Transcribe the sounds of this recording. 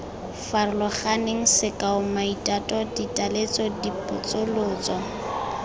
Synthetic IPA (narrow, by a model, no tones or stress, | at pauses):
farʊlɔχaneŋ̩sɪkʼaʊmaitʼatʼɔditʼalet͡sɔdipʼʊt͡sʼʊlʊːt͡sʼɔ